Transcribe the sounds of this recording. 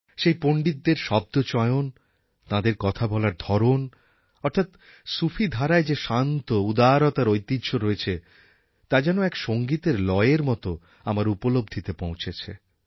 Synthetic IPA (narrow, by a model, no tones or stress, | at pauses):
ʃejpoɳɖit̪̚ːeɾʃɔb̚d̪ot͡ɕɔeon | t̪ãd̪eɾkɔt̪ʰabɔlaɾd̪ʱɔɾon | ɔɾt̪ʰat̪ | sufʰid̪ʱaɾaed͡ʑeʃant̪oud̪aɾɔt̪aɾojt̪idʃʰoɾoet͡ɕʰe | t̪ad͡ʑɛnoɛkʃoŋɡit̪eɾlɔeeɾmɔt̪o | amaɾupolobd̪ʱit̪epõw̃t͡ɕʰet͡ɕʰḛ